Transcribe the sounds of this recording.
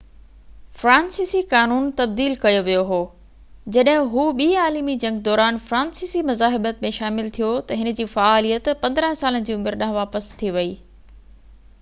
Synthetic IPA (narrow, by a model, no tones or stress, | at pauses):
fɾãːnsiːsikaːnuːnt̪ɐb̚d̪iːlkɐjoʋijoɦoː | d͡ʑɐɗɦɪ̃ɦuːɓiːaːlimid͡ʑɐ̃ŋɡd̪ɔːɾaːnfɾãːnsiːsimɐzaːɦɪbət̪mẽʃaːmɪlt̪ʰijot̪ɐɦɪnə̆d͡ʑiːfaaːlijət̪pɐ̃nd̪ɾə̃ɦsaːlənɪ̆d͡ʑiːʊmɪɾɗɐ̃ɦʋaːpəst̪ʰiʋɐiː